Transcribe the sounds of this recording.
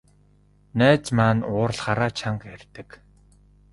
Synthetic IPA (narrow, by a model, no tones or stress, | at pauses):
næːt͡smaːnʊːrɮχaɾaːt͡ɕʰaŋkærʲt̪ɘ̆k